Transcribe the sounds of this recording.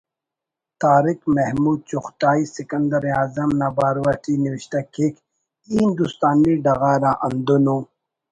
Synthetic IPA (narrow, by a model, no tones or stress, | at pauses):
t̪aːɾikmehmuːd̪̚t͡ɕuxt̪aːisikɐnd̪ɐɾaːzɐmnɐbaːɾwɐʈiniwiɕt̪akʰek | ind̪ust̪aːniɖɐɣaːɾaʔɐnd̪unuː